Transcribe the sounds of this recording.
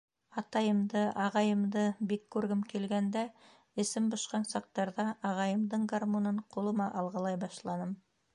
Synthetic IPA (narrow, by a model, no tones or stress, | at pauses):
ɑt̪ɑjə̆md̪ɤʔɑʁɑjə̆md̪ɤbekʰːɵɾɡɘmkʲʰelɡænd̪æ | ɘ̆sɘmbŏʃqɑnsɑq̚t̪ɑɾðɑʔɑʁɑjə̆md̪əɴɡarmonɤɴqʰolˠɤ̆mɑʔɑlˠʁɑlˠɑjbɑʃlˠɑnəm